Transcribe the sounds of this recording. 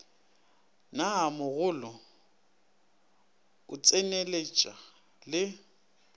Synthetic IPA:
namʊɣʊlɔ | ʊt͡sʼenelet͡ʃʼa | lɪ

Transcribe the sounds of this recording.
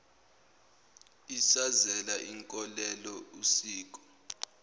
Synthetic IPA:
isazɛlaʔiŋkʼɔlɛlɔusiːk̬ʼɔ̥

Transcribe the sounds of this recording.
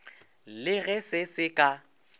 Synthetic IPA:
lɪɣɛsɪsɪkʼa

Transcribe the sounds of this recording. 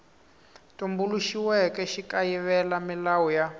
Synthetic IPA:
tombuluʃiwɛkɛʃikajiβɛlamilawuja

